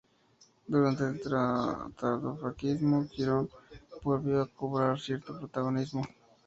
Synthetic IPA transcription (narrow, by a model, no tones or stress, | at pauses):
d̪uɾont̪et̪ɾat̪at̪ofɾakizmokiɾonpoɾbiakːopɾaɾsiɾt̪ʰopɾot̪aɣonizmo